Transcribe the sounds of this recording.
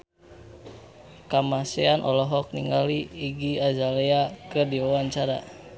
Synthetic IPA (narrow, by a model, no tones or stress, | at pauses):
kamaseanʔɔ̰lɔɦɔk̚niŋɡaliːɡiazaleakədiwawaɲt͡ʃaɾa̰